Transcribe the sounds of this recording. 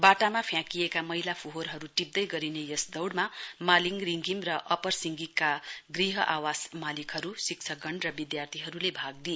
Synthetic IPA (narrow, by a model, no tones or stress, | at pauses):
baʈamapʰjãkijekamʌɦilapʰuɦorɦʌɾuʈip̚d̪ʌjɡʌɾinejʌsd̪ʌwɽmamaliŋriŋɡimrʌʔʌpʌrsiŋɡikːaɡriɦʌʔawasmalikɦʌɾusik̚t͡sʰʌɡʌɳrʌbid̪jart̪ʰiɦʌɾulebʱaɡ̚d̪i